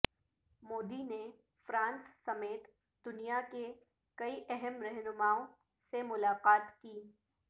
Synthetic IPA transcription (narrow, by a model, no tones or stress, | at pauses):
moːd̪ine | fɾãːnsːɐmeːt̪ | d̪ʊnijake | kɐiʔɛɦɛmɾɛɦnʊmaːõ | semʊlaːqaːt̪kiː